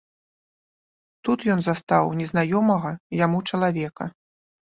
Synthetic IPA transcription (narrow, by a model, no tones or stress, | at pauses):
t̪ut̪jɔnzast̪awnʲɛznajɔmɐɣɐjamut͡ʂɐlˠavʲɛkɐ̰